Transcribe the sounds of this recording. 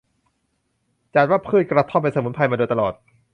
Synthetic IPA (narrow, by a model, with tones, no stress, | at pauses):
t͡ɕaː˨˩t̪̚waː˥˩pʰɯː˧˥˩jkɾa˧t̪ʰɔː˥˩pːa˧sa˧˦mu˨˦npʰa˧jmaː˧doː˧jt̪a˧lɔː˨˩t̪̚